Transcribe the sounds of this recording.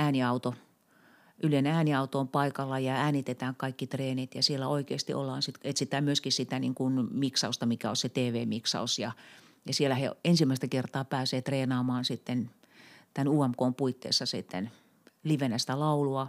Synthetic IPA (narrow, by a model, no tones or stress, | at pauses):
æːniɑut̪o | ʔylenæːniɑut̪oːmpɑikɑlːɑjɑæːnit̪et̪æːŋkɑikːit̪reːnit̪jɑsielːæoikḛːst̪ḭʔo̰lːɑ̰ːnsit̪et̪sit̪æːmyøskissit̪æniŋkunmiksɑust̪ɑmikæoset̪eːʋeːmiksɑ̰usjɑ | jɑsielæheensimːæˑist̪ækert̪ɑːpæːseːt̪reːnɑːmɑːnsit̪ːen | t̪ænuːɑmkoːmpuit̪ːḛːsːɑsit̪ːḛn | liʋenæst̪ælɑuluɑ